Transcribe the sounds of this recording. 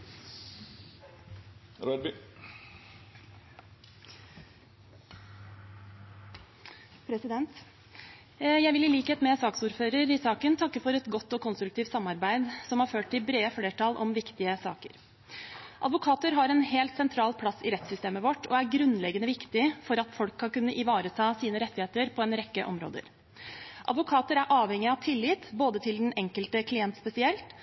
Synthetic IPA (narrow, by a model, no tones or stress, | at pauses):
ɾɑb | pʰɾɛsɪd̪ɛnt̪ | jæɪʋɪlɪliːkheːt̪mɛsɑːksuːɾføːɾəɾɪsɑːkənt̪ʰɑkːəfɔɾɛt̪ɡɔt̪ːɔkʰʊnst̪ɾʉk̚t̪ʰiːft̪sɑmːɑɾbæɪd̪sɔmhɑɾføːʈ̚t̪ɪlbɾeːəfleːʈʰɑlʔɔ̰mʋɪkt̪ɪəsɑ̰ːkə̰ɾ | ʔɑ̰d̪ʋʊkʰɑːt̪əɾɦɑɾɛnheːlt̪sɛnt̪ʰɾɑːlpʰlɑsɪɾɛt̪sʏst̪eːməʋɔʈːɔæɾɡɾʉnlɛɡənəʋɪkt̪ɪfɔɾɑt̪fɔlkʰːɑnkʉnːəʔɪʋɑːɾət̪ʰɑːsiːnəɾɛt̪ːɪheːt̪əɾpʰɔɛnɾɛkːəʔɔmɾo̰ːd̪ə̰ɾ | ʔɑ̰d̪ʋʊkʰɑːt̪əɾæɾʔɑːʋhɛŋːɪɑʋt̪ʰɪlːɪt̪boːd̪ət̪ʰɪld̪ɛnɛŋkəlt̪əkʰlɪɛnt̪spɛsɪɛlt̪